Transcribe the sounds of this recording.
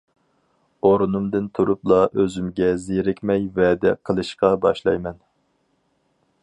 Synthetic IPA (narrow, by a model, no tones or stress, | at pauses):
oɾnumd̪ɨnt̪ʰuɾuplˠɑʔøzymɡʲɛzeɾɪkʲmɛjvɛːd̪ɛ̰qʰəlˠɨʃqɑbɑ̰ʃlˠɑ̰jmɛn